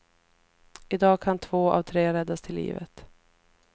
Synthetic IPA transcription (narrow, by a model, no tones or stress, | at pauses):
ɪd̪ɑːɡkʰant̪ʰvoːa̰vt̪ʰɾeːɾɛd̪ːast̪ʰɪlːḭːvə̰t̪